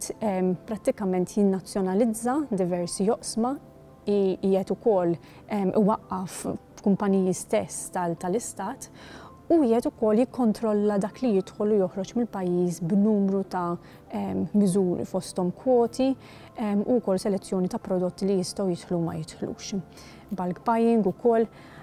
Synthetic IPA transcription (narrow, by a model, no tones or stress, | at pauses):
t̪ɛmpɾɐt̪ːɪkɐmɛnt̪jɪnːɐt͡sːjɔnɐlɪd͡zːɐd̪ɪvɛɾsiɔʔsmɐ | iɪːɛt̪ʊkɔlː | ɛmːʔɪ̰wɐʔːɐf | kʊmpɐniːjist̪ɛsːt̪ɐt̪ɐlɪst̪ɐːt̪ | uɪːhɛt̪ʊkɔlːjɪkːɔnt̪ɾɔlːɐd̪ɐːklijɪt̪ħɔlʊjɔħɾɔt͡ʃmɪlpɐjːiːsbnuːmɾut̪ɐ | ɛmmɪzuːɾḭfɔst̪ɔmkwɔːt̪i | ɛmːukɔlːsɛlɛt͡sːjɔːnit̪ɐpɾɔd̪ɔt̪ːilijɪst̪ɔwjɪt̪ħlumɐ̰jɪt̪ħlṵːʃ | bɐlkbɐjɪŋɡʊkɔlː